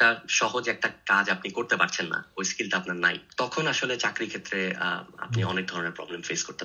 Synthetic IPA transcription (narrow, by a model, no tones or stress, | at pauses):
ʈaʃɔɦod͡ʑɛk̚ʈakad͡ʑapnikoɾt̪epaɾt͡ɕʰenːa̰ojskilʈaapnaɾna̰jt̪ɔkʰonaʃolet͡ɕakɾikʰet̪ːɾḛa̰pniɔ̰nek̚d̪ʱɔɾoneɾpɾɔ̰blemfeskoɾt̪e